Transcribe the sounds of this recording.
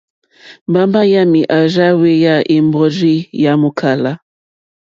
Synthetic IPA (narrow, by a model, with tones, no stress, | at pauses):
mba˨˦mba˦ja˦mi˨ʔa˨ʒa˦we˦ja˦˨ʔi˨mbɔ˨ɾi˦ja˨mu˨kʰa˨la˦